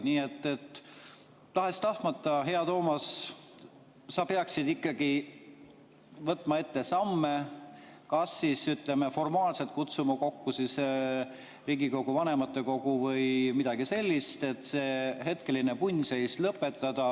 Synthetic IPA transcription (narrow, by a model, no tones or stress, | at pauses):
niːe̞t̪ːe̞t̪ː | ɑɦest̪ɑht̪mɑt̪ːˑɑɦe̞ɑt̪o̞ːmɑs | sɑpe̞ɑksid̪̥ikːˑɑɡ̥i | vɤt̪ːˑmɑe̞t̪ːe̞sɑmːe | kɑsːisyt̪ˑlemefo̞rmɑːlse̞lt̪̚kut̪sumɑko̞kːusis | riːɡiko̞ɡ̥uvɑne̞mɑt̪ːˑe̞ko̞ɡ̥uvɤjmid̪̥ɑɡ̥ise̞lʲːist̪e̞t̪ːse̞ːɦe̞t̪̚ke̞line̞punʲse̞jslɤpːe̞t̪ˑːɑd̪̥ɑ